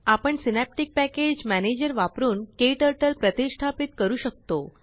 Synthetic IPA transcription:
apəɳsinæp̚ʈik̚pæked͡ʑmæned͡ʑəɾʋapɾuːnkeʈəɾʈəlpɾət̪isʈʰapit̪kəɾuːɕək̚t̪o

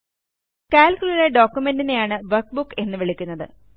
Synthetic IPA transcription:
kaːlkʲuɭiɽeɖo̞ːkʲjume̞ndine̞jaːɳɨʋɐrkbukːe̞nːɨʋiɭikʲːunːɐðɨ̰

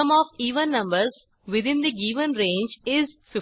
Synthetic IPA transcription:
ə̃mɔːʋiːʋə̃nːʌ̃mbəɾz | ʋɪd̪ɪ̃nd̪iɡiːʋə̃nɾẽːnd͡ʒɪzfɪ

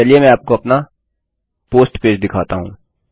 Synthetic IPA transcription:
ɐliemɛ̃aːp̚koɐpna | poːsʈpeːd͡ʒd̪ɪkʰaːt̪aɦũː

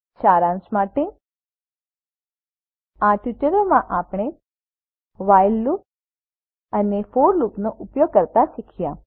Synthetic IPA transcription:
ʃaɾãnsmaʈe | aʈjuʈəɾomãʔapɽ̃e | ʋajllup̚ | ənefoɾlupnoʔʊpjoɡ̚kəɾt̪aʃikʰijã

